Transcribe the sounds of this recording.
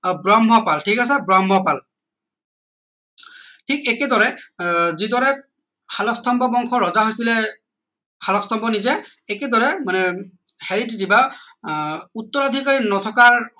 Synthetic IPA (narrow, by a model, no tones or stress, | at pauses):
bɹambʱɔpalʈʰikasɛbɹambʱɔpal | tʰikɛkɛdɔɹɛzidɔɹɛ | xʰalɔkst̪ʰɔmbɔbɔŋkʰɔɹɔzaɦojsilɛ | xʰalɔkst̪ʰɔmpɔnizɛɛkɛd̪ɔɹɛmanɛhɛɹitdiba | ut̪ːɔɹad̪ʱikaɹinɔt̪ʰɔkaɹ